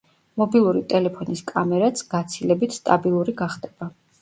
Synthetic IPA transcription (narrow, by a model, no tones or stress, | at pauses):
mɔbilˠuɾit̪ʼɛlɛpʰɔniskʼamɛɾat̪sʰɡ̥at̪sʰilɛbit̪ʰst̪ʼabilˠuɾiɡaχd̪ɛb̥a